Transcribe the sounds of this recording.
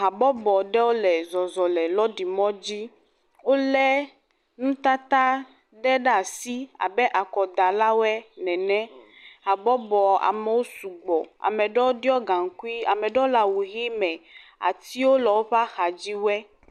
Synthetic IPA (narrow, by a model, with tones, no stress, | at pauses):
ɦa˨bɔ˦bɔ˨ɖɛ˦wo˦lɛ˨zɔ˨zɔ˨lɛ˨lɔ˦ɖi˨mɔ̃˦d͡ʑi˦ | wo˦lɛ˦ | nũ˦t̪a˦t̪a˦ | ɖɛ˦ɖa˨si˦a̰˨bɛ˦ʔa˨kɔ˨d̪a˨la˦wɛ˦nɛ̃˨nɛ̃˦ | ɦa˨bɔ˦bɔ˨a̰˨mɛ˨wo˦su˨ɡ͡bɔ˨a̰˨mɛ̃˨ɖɛ˦wo˦ɖi˦ɔ˦ɡa˨ŋ̩˨ku˦i˦a˨mɛ̃˨ɖwo˦la˨wu˨ɦi˦mɛ̃˨a̰˨t̪i˦wo˦lɔ˨wo˦ɸa˦xa˨d͡ʑi˦wɛ˦